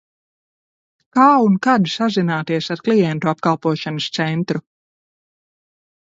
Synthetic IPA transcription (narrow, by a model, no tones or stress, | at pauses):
kaːunkad̪sazinaːt̪iɛsaɾklˠijɛnt̪uapkalˠpuɔʃanəst̪sɛnt̪ɾu